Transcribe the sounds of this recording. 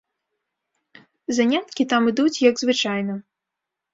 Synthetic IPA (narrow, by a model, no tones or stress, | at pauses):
zanʲat̪kʲit̪amɨd̪ut͡sʲjɐɡzvɨt͡ʂajnɐ